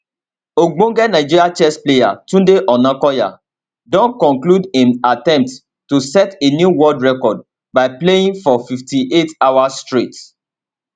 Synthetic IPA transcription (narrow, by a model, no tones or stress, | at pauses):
oɡ͡bõɡɛnãɪd͡ʒiɾat͡ʃɛspleja̰tũdeʔɔnãkɔja̰ | dɔ̃nkɔ̃kludĩnatɛ̃mp̚t | tusɛtenjuwɔdɹɛkɔd̚ | baɪpleĩŋfɔfiftiʔetawastɹit